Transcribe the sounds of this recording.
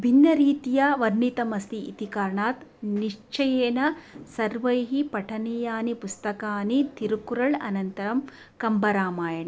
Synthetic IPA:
bʱinːɐɾiːt̪ijɐʋɐɾɳit̪ɐmɐst̪iːt̪ikaːɾɳaːt̪niʂt͡ʃɐjeːnɐsɐɾʋɐjɦipɐʈʰɐnijaːnipust̪ɐkaːnit̪iɾukuɾɐɭɐ̰nɐnt̪ɐɾɐm | kɐmbɐɾaːmaːjɐɳɐ

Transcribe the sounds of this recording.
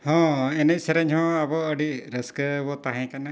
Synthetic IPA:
hɔ̃ɛnɛc̚sɛɾɛɲɦɔ̃abɔəɖiɾəskəbɔt̪aɦɛ̃kana

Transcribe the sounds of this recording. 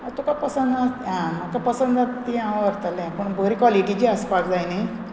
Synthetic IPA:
at̪okapəsənd̪aãməkapəsənd̪at̪t̪iãʋəɾt̪alɛ̃pəɳbəɾikwaliʈit͡ɕiəspaɡd͡zajnaj

